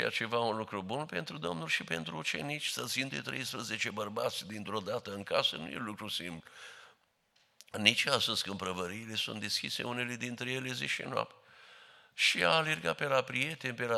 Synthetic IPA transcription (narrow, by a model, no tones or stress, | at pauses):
a̰t͡ʃe̞vaunlukɾubunpe̞nt̪ɾud̪o̞mnulʲʃipent̪ɾuːt͡ʃe̞̰nit͡ʃʲsət̪sind̪et̪ɾejspɾəzet͡ʃebərbat̪sʲd̪int̪ɾo̞d̪at̪əɨŋkasə̰nṵjelukɾusḭmplu | nit͡ʃast̪əskəɨmpɾəvəɾiːle̞sṵnt̪d̪eskʲise̞̰une̞le̞d̪int̪ɾe̞jele̞zeʃḭnoa̰pt̪ | ʃia̰ːle̞rɡat̪̚pe̞lapɾije̞t̪e̞nʲpela